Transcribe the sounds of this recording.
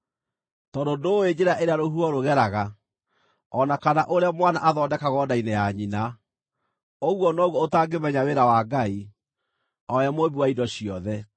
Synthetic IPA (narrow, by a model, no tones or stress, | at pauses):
tɔdodoweɲeɾaʔeɾeaɾohuɔɾoɣɛɾaɣa | ɔnakanaʔoɾeamwanaʔaðɔːdɛkaɣɔdainejaɲina | oɣwɔnɔɣwɔotaːɡemɛɲaweɾawaɡai | ɔjamoβiwaidɔɕiɔðɛ